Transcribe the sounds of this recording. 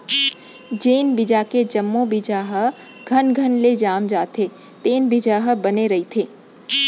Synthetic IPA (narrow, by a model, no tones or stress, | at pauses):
d͡ʒeːnbɪd͡ʒaked͡ʒɐmːobɪd͡ʒaɦə | ɡʱɐnɡʱənled͡ʒaːmd͡ʒaːt̪ʰe | t̪eːnbɪd͡ʒaːɦəbɐneɾɐɦit̪ʰeː